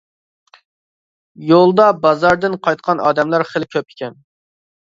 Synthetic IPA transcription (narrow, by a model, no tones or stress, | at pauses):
jolˠd̪ɑbɑzɑɾd̪ɪnqʰɑjt̪̚qʰɑnɑːd̪ɛmlɑɾχəlˠkʲʰøpɪ̥kʲʰɛn